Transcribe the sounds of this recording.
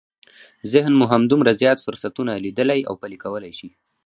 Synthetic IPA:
zɪhnmuɦamd̪ʊmɾazjɑt̪fʊɾsat̪unalid̪əlaja̰wpalikawəlajʃi

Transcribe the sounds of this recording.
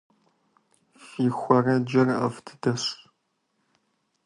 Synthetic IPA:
fiːxʷɐrɐd͡ʒɐrʔɐ̰ftʰɨ̥dɐɕ

